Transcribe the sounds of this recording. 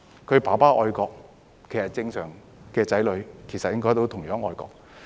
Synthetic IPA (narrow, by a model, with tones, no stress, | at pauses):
kʰɵ˨˧ɥpaː˨˩paː˥ʔɔ̰ː˧jkɔː˧k̚ | kʰe˨˩jsɐ˨t̚t͡sɪ˧ŋsœː˨˩ŋ | kɛː˧t͡sɐ˨˥jlɵ˨˧ɥkʰe˨˩jsɐ˨tjɪ˥ŋkɔː˥jt̪o˧˥wt̪ʰʊ˨˩ŋjœː˨˥ŋɔː˧jkɔ̰ː˧k̚